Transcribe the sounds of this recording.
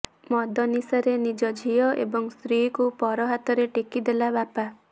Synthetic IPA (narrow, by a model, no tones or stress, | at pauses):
mɔd̪ʱɔnisɔɾenid͡ʒɔd͡ʒʱijɔʔḛbɔŋst̪ɾikupɔɾɔɦat̪ɔɾeʈekid̪elabapa